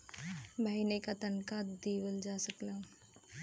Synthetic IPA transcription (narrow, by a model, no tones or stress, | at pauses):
bʱainekat̪ɐnkaːt̪d̪iːwəld͡ʒaːsəklaː